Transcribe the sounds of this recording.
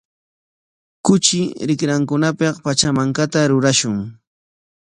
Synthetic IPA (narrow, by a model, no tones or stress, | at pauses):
kʊt͡ʃɪɾɪkɾaŋkʊnapɑqpat͡ʃamaŋkat̪aɾʊɾaʃʊŋ